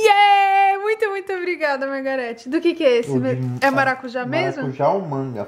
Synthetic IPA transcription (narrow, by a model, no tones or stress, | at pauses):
ɛmũj̃t̪ʊmũj̃t̪ʊobɾiɡad̪ɐmaɾɡaɾɛt͡ʃɪd̪ʊkekɪɛesɪmeɛmaɾakuʒamezmʊʒaũmɐ̃ŋɡɐ̰